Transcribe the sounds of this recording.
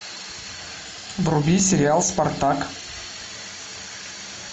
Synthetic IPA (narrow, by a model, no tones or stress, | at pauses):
vrʊbʲisʲɪɾʲɪalˠspart̪ak